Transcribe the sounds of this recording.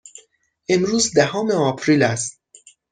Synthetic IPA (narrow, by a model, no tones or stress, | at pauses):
ʔemɾuːzd̪æhɒːme̞ɒːpʰɾiːlæst̪